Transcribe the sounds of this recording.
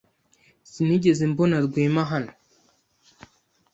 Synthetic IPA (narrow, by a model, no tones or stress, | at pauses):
siniɟezembonaɾɡwiːmaɦano